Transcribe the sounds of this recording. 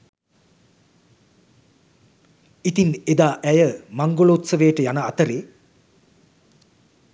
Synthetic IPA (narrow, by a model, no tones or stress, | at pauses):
it̪ined̪aːʔæjəmaŋɡoloːt̪səʋeːʈəjanaːt̪əɾeː